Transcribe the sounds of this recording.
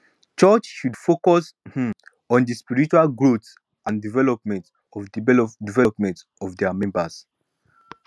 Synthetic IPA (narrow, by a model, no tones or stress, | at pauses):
t͡ʃət͡ʃʃudfokɔshĩm | ɔ̃ndispiɹit͡ʃualɡɹots | ʔãndivɛlɔpmɛ̃nt | ɔvdivɛpmɛ̃nt | ɔvdɛmɛ̃mbəs